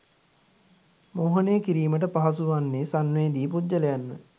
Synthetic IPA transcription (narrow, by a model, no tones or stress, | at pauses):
moːɦəneːkiɾiːməʈəpaɦas̬uʋanːeːsanmeːd̪iːpudd͡ʒəlejanːə